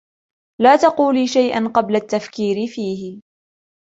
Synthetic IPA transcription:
laːt̪ɑquːliːʃajʔa̰nqɑblat̪ːafkiːɾɪfiːhɪ

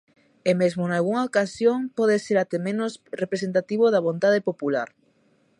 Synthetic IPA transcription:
emezmonalɣuŋaokasjoŋpɔðeseɾat̪emẽnosrepɾesent̪at̪iβoðaβ̞ont̪aðepopulaɾ

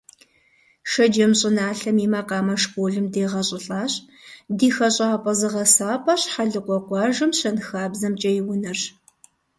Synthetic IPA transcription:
ʂɐd͡ʒɐmɕʼɪnaːɬɐmiːmaːqɑːmɐʂkʷʼoːɮɨmdeːʁɐɕʼɪɬʼaːɕʼ | diːxɐɕʼaːpʼɐzɨʁɐsaːpʰʼɐɕħaɮɨqʷɔqʷɑːʒɨmɕɐnxaːbzɐmt͡ʃʼɐjɪwʊnɐr

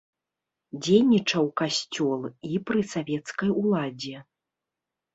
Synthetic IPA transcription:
d͡zʲejnʲit͡ʂɐwkasʲt͡sʲɔlˠipɾɨsavʲɛt̪skɐjulˠad͡zʲɛ

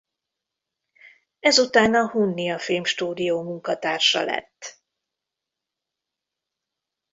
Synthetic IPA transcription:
ɛzut̪aːnɒhunːijɒfilmʃt̪uːd̪ijoːmuŋkɒt̪aːrʃɒ̰lɛ̰t̪ː

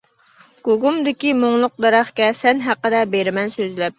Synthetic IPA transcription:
ɡ̥oɡumd̪ɪkʲimoŋlˠʊq̚d̪ɛɾɑχkʲɛsɛnɦæqːəd̪ɛbeɾɪmɛnsøzlɛp̚

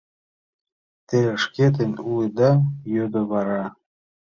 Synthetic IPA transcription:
t̪eɾĕʃket̪̬ə̆nʲulɤd̪ɑjød̪oβɑɾɑ

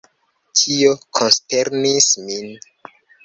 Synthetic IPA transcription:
tʰiokʰonsteɾnismin

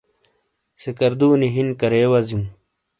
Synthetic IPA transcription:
sekɐɾd̪uːniɦinkɐɾeːwɐzjũː

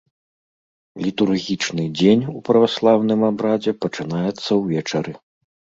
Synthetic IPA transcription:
lʲit̪urɣʲit͡ʂnɨd͡zʲenʲupɾɐvaslˠawnɨmabɾad͡zʲɛpɐt͡ʂɨn̪ajɛt̪sːɐwvʲɛt͡ʂɐɾɨ

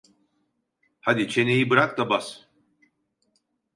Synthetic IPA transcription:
had̪it͡ʃʰe̞ne̞jibɯɾak̚d̪abas

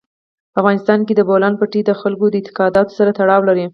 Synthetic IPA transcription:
paafɣɑnɪst̪ɑnked̪əbolɑnpəʈid̪əxalkod̪əɪt̪ɪ̥qɑd̪ɑt̪o̥saɾat̪aɽɑwlaɾi

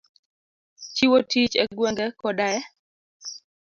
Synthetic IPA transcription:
t͡ʃiwotit͡ʃɛɡweŋɡɛkɔdaɛ

